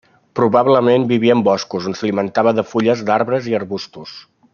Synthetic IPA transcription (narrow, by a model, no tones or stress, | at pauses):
pɾuβaβləmembiβiəːmbɔskuzonsəlimənt̪aβəðəfuʎəzd̪aɾβɾəziəɾβust̪us